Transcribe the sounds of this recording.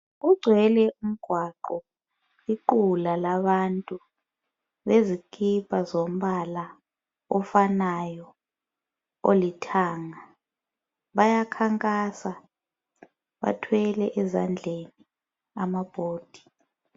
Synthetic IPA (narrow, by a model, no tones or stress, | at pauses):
uɡ͡ǀʱwɛlɛum̩ɡ̥ʱwaǃɔ | iǃulalaβantʼu | βezikʰipʰʼazom̩βala | ɔfanajɔ | olitʰaːŋa | βajakʰaŋkʼasa | βa̰tʰwɛlɛʔɛza̰nd͡ɮʱeni | amab̥ʱoːd̥ʱi̥